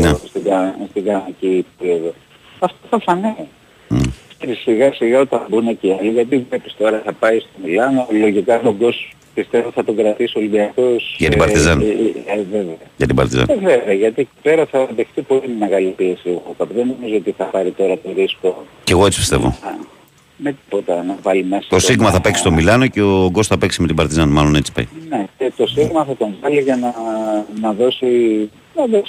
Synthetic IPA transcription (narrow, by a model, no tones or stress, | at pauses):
nest̪iɡɐst̪iɡɐnicipeɾioðo̞ | ɐft̪oθɐpsɐni | ppi̥st̪evisiɣɐsiɣɐo̞t̪ɐmbuneciɐliʝɐt̪̬ivle̞pi̥st̪o̞ɾɐθɐpɐist̪o̞milɐnolo̞ʝikɐmoɡ̪o̞s | pist̪e̞voθɐt̪o̞ŋɡɾɐt̪isio̞libiɐko̞sʝɐt̪ibɐɾt̪izɐneve̞veɐjɐt̪ibɐ̰ɾt̪izɐ̰neve̞veɐʝɐt̪ieci̥pe̞ɾɐθɐðe̞xθipo̞limimeɣɐlipie̞sieɣokɐpiðeno̞mizoot̪iθɐpɐɾit̪o̞ɾɐt̪oɾisko̞ce̞ɣoe̞t͡si̥pi̥st̪e̞vo̰ɐ | met̪i̥po̞t̪ɐnɐvɐlime̞sɐt̪o̞siɣmɐθɐpeksi̥st̪omilɐno̞ceoɡo̞st̪θɐpeksimet̪ibɐɾt̪izɐnmɐlo̞net͡si̥pɐ̰jnecet̪o̞siɣmɐθɐt̪o̞ɱvɐliʝɐnɐnɐðo̞si | ɐðeks